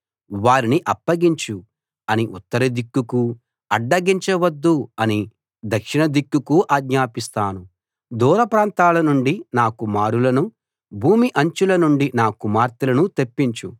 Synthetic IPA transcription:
ʋaːɾiniʔɐpːɐɡiɲt͡ʃu | ɐniʔut̪ːɐɾɐd̪ikːuku | ɐɖːɐɡiɲt͡ʃɐʋɐd̪ːuɐni | d̪ɐkʂinɐd̪ikːukuʔaːɡ̪ɲaːpist̪aːnu | d̪uːɾɐpɾaːnt̪aːlɐnuɳɖinaːkumaːɾulɐnu | bʱuːmiʔɐɲt͡ʃulɐnuɳɖinaːkumaːɾt̪ilɐnut̪epːiɲt͡ʃu

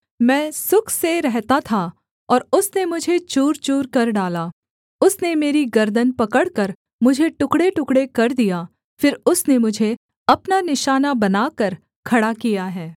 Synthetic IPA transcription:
mɛ̃ːsʊkʰseɾɛɦt̪at̪ʰa | ɔːɾʊsnemʊd͡ʒʱet͡ʃuːɾt͡ʃuːɾkɐɾɖaːlaː | ʊsnemeːɾiɡɐɾd̪ənpɐkəɽkɐɾ | mʊd͡ʒʱeʈʊkɽeʈʊkɽekɐɾd̪ijaː | fɪɾʊsnemʊd͡ʒʱe | ɐpnanɪʃaːnabɐnaːkɐɾ | kʰɐɽakijaɦɛː

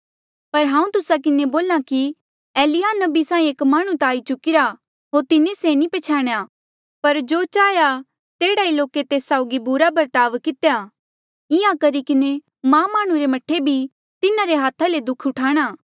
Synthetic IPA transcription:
pɐɾɦãːũt̪ʊsak̬ɪneboːlãki | ɛːlɪjanɐbisãːĩeːkmaːɽ̃ũt̪aːit͡ʃʊkɪɾa | ɦoːɾt̪ɪnesenĩpɛt͡ʃʰaːɽ̃ja | pɐɾd͡ʒoːt͡ʃaːja | t̪eːɽailoːket̪eːsːaːʊɡibʊɾabɐɾt̪aːʋkɪt̪eja | ɪjãkɐɾikɪne | mãːmaːɽ̃ũɾemɐʈʰːebʱi | t̪ɪnaɾeɦaːt̪ʰaled̪ʊkʰʊʈʰaːɽ̃aː

